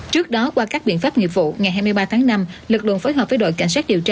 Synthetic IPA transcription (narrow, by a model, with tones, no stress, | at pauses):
t͡ɕɨ˦˥ək̚ɗɔ˨˦kwaː˧kaː˦˥k̚ɓḭ˧˨nfaː˦˥p̚ŋḭ˧˨əvṵ˧˨ŋa˨˩jɦaː˧jmɨ˧əjɓaː˧t̪ʰaː˨˦ŋna˧mlɨ˨˩k̚lɨ̰˧˨ənfo˨˦jɦɔː˨˩əː˨˦jɗo̰˧˨jka̰˧˩jŋ̟saː˦˥k̚ɗi˨˩əwt͡ɕaː˧